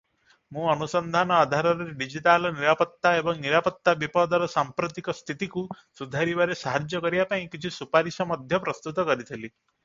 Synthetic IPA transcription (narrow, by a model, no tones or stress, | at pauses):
mũɔnusɔnd̪ʱanɔːd̪ʱaɾɔɾeɾeɖid͡ʒiʈalɔniɾapɔt̪ːaebɔŋniɾapɔt̪ːabipɔd̪ɔɾɔsampɾut̪ikɔst̪ʰit̪iku | sud̪ʱaɾibaɾesaɦad͡ʒjɔkɔɾibapaĩkit͡ʃʰisupaɾisɔmɔd̪ʱjɔpɾɔst̪ut̪ɔkɔɾit̪ʰili